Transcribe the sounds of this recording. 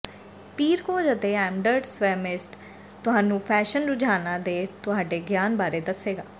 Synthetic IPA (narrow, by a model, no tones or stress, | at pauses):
piːɾkoːd͡ʒət̪eːɛːmɖəɾɖsʋɛːmɪsʈ | t̪ʊɦaːnũːpʰɛːʃənɾʊd͡ʒaːnãːd̪eːt̪ʊɦaːɖeːɡjaːnbaːɾeːd̪əsːeːɡaː